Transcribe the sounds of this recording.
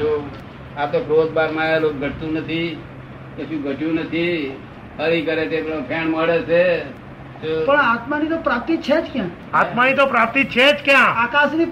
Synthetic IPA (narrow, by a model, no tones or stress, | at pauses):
d͡ʒo | at̪okʰɾod͡ʒ̪baɾmãelok̚ɡʱəʈ̚t̪ũnət̪ʰi | kət͡ʃũɡʱəʈjũnət̪ʰi | həɾikəɾet̪eppʰeɳməɽet͡ʃʰe | pəɳat̪manit̪opɾap̚t̪it͡ʃʰed͡ʒkjã | at̪manit̪opɾap̚t̪it͡ʃʰed͡ʒkjãakasni